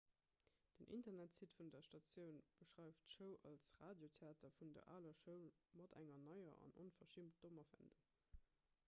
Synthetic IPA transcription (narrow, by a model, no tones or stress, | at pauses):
d̥ənʔḭntɐnætsitfundɐʃtɑt͡sjəʊnb̥əʃʁaɪftʃəʊʔɑ̰lsʁaːdjotʰeaːtʰɐfundɐ̰ʔa̰ːlɐʃəʊmɑdæ̰ŋɐnɑɪɐ̰ʔɑ̰nʔonfɐʃimt̚d̥omɐfə̰nduŋ